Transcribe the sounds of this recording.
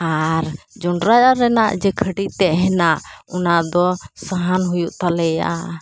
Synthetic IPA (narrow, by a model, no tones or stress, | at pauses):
aɾ | d͡ʒɔɳɖɾajaɾɛnaʔd͡ʒɛkʰəɖit̪̚ˀt̪ɛɦɛnaʔɔnad̪ɔsaɦanɦujuʔt̪alɛja̰